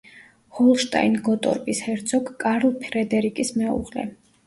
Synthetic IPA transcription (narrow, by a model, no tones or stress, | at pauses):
hɔlˠʃt̪ʼa̰inɡɔt̪ʼɔ̰ɾpʼishɛɾt̪sʰɔɡkʼaɾlˠpʰɾɛd̪ɛɾikʼismɛṵʁlɛ̰